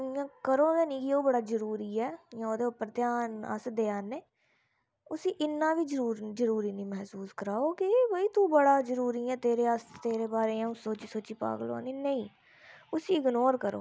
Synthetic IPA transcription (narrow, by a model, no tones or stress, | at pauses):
ãːkəɾoːjãːnĩːkioːbəɽaːzəɾuːɾiːɛːjãoːd̪eːʊpːəɾt̪ɪjaːnə̰sd̪eːaːneː | ʊsiːʔɪnːãːʋiːd͡ʒəɾuːɾzəɾuːɾiːnĩːmɛɦsuːskəɾaːoːkɪbʱəiːt̪ũːbəɽaːzəɾuːɾiːɛ̃ːt̪eːɾeːəst̪eːɾeːbaːɾeːãːũsoːt͡ʃiːsoːt͡ʃiːpa̰ːɡlo̰ːniːnəĩː | ʊsiːɪɡnoːɾkəɾo̰ː